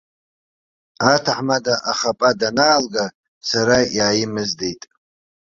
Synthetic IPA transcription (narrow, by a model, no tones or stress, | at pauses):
atʰaħmadaʔaχapʼadanaːlɡa | saɾajaːjɪmɨzdejtʼ